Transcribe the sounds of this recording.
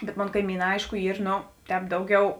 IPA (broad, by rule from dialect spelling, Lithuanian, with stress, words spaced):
bʲɛt ˈmoːn kɐɪˈmʲiːˌnɑː ˈɐɪʃkʊ ˈiːr ˈnoː ˈtʲɛːp ˈdɐʊˌɡʲɛʊ